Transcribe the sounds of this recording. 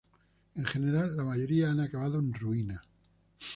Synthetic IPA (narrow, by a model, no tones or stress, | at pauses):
eŋxene̞ɾalːamaʝo̞ɾiaanakaβaðoenruina